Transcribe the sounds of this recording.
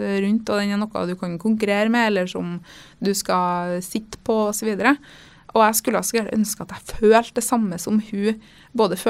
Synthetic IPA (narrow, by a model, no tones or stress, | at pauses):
ɾʉnt̪ɔd̪ɛnːənɔkːɑ̰d̪ʉkʰɑnkʰʊŋk̬ʉɾeːɾəmɛɛlːəʂɔmd̪ʉskɑsɪt̪ːpʰɔɔsɔʋiːd̪əɾə | ʔɔæskʉlːəɑsɔɡjæɖʔœ̰nskəɑt̪æføːlt̪̚d̪ɛsɑmːəsɔmhʉ | boːd̪əføː